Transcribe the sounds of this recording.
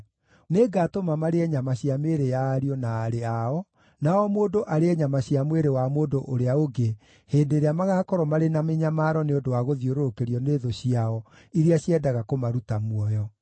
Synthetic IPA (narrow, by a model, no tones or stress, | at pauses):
neɡaːtomamaɾeɛɲamaɕiameɾejaːɾiɔnaːɾeaɔ | naɔmoːndoʔaɾeɛɲamaɕiamweɾewamoːdoʔoɾeaoɡe | heːndeɾeamaɣaːkɔɾɔmaɾenameɲamaːɾɔneondowaɣoðioɾokeɾiɔneːðoɕiaɔ | iɾeaɕiɛdaɣakomaɾutamwɔjɔ